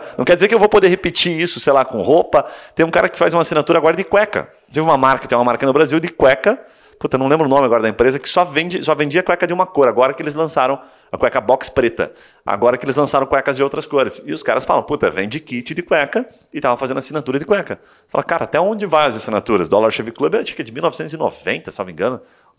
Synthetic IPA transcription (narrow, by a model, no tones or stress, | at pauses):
nɐ̃w̃kɛɾd͡ʒɪzeɾkɪewvowpod̪ehepɪt͡ʃiisʊ̥sejlakõhopɐt̪ẽj̃ũkaɾɐkɪ̥fazũmasĩnat̪uɾɐaɡɔɾɐd̪ɪkwɛkɐ̰ | t̪evɪũmɐmaɾkɐt̪ẽj̃ũɐmaɾkɐnʊbɾaziwd̪ɪkwɛkɐ | put̪ɐnɐ̃lẽbɾʊnõmɪaɡɔɾɐd̪ɐẽpɾezɐkɪ̥sɔvẽd͡ʒɪsɔvẽnd͡ʒiɐkwɛkɐd̪ɪũmɐkoɾaɡɔɾɐkɪelɪzlɐ̃saɾɐ̃w̃ | ɐkwɛkɐbɔkspɾet̪ɐ̰ | a̰ɡɔɾɐkɪelɪzlɐ̃saɾɐ̃w̃kwɛkɐzd͡ʒɪowt̪ɾɐskojɾɐsɪʊskaɾɐsfa̰lɐ̃w̃put̪ɐ̰vẽd͡ʒɪkit͡ʃɪd̪ɪkwɛkɐ | ɪt̪avɐfazẽd̪ʊasĩnat̪uɾɐd̪ɪkwɛkɐ | falɐkaɾɐat̪ɛõd͡ʒɪvãɐzasinat̪uɾɐsd̪ʊalaɾʃevɪklubɛt͡ʃi̥kɐd͡ʒɪmiuwnɔvɪsẽnt̪ʊzɪno̰vḛ̃nt̪ɐsawbĩŋɡɐ̃nʊ